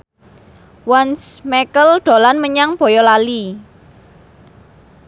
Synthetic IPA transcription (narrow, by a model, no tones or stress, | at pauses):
wansmɛkəlɖ̪̥o̤lanməɲaŋb̥ɔ̤jɔlali